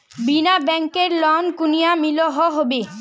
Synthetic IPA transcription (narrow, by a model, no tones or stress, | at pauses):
binabɛŋkeɾlɔnkunijamiloɦɔɦɔbe